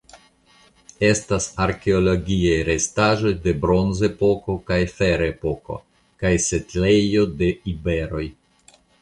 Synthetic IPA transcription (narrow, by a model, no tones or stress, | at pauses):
e̞stasaɾke̞olo̞ɡiajɾe̞staʒo̞jde̞bɾo̞nze̞po̞ko̞kajfe̞ɾe̞po̞ko̞̰ | kajse̞tle̞jo̞de̞ibe̞ɾo̞j